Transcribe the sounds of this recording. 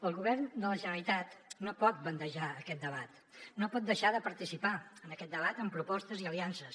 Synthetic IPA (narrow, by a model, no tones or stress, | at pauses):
əlˠɣuβɛrnd̪ələʒənəlit̪at̪nopɔt̪̚bənd̪əʒaəkɛt̪̚d̪əβat̪ | nopɔt̪̚d̪əʃaðəpəɾt̪isipaənəkɛt̪̚d̪əβ̞at̪əmpɾupɔst̪əziəliansəs